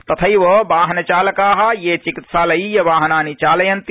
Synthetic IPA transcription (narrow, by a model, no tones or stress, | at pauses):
t̪ɐt̪ʰəjʋəbaːɦnɐt͡ʃaːləkaːɦajet͡ʃikit̪saːlɐijɐʋaːɦnaːnit͡ʃaːlɐjɐnt̪